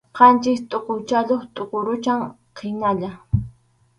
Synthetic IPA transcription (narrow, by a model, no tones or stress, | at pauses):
qɑnt͡ʃɪkt̪ʼoqowt͡ʃaʎoχt̪ʼoqoɾʊt͡ʃaŋ | qʰejnaʎa